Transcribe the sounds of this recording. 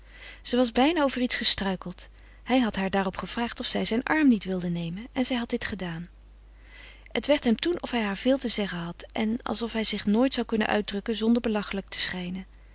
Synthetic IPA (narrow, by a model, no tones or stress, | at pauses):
z̥əʋɑzbɛjnaːowvəritsχəstrœɥkəlˠt | hɛjɦɑtɦaːɹdaːrɔpχəv̥raːχtɔfsɛjzɛjnʔɑɹmnitʋɪlˠdənejmənɛnzɛjɦɑt̚dɪtχədaːn | hətʋɛɹtɦɛmtunɔfɦɛjɦaːɹv̥ɪːlˠtəzɛχənɦɑtʔɛnɑ̰lˠsɔfɦɛjzɪχnoːjtsɑwkɵnə̰nʔœ̰ɥt̚drɵkənzɔndəɹbəlɑχələk̚tə̥sχɛjnən